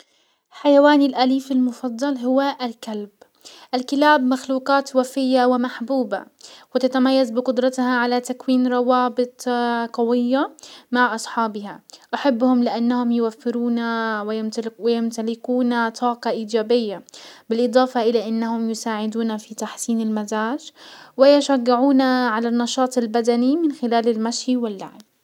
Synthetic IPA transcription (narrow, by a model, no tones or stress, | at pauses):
ħajawaːnɪlʔaliːfɪlmʊfɑd̪ˤːɑlɦʊwaʔalkalb | ʔalkɪlaːbmaxluːqɑːt̪wafɪjːawɪmaħbuːba̰wɪt̪at̪amajːazbɪqʊd̪ɾˤɑt̪haʕalat̪akwiːnɾˤɑwɑːbɪt̪ˤqɑwɪjːamaʕʔɑsˤħɑːbɪhaʔaħabːhʊmlɪʔanːahʊmjɪwafːɪɾuːnawɪjmwɪjɪmt̪alɪkuːnat̪ˤʰɑːqɑʔiːd͡ʒaːbɪjːabɪlʔɨd̪ˤɑːfɑʔɪlaʔɪnːahʊmjʊsaːʕɪd̪uːnafit̪aħsiːnɪlmazaːʃwɪjɪʃaɡːɪʕuːnaʕalanːɑʃɑːt̪ˤɪlbad̪animɪnxɪlaːlɪlmaʃjiwɪlːa̰ʕb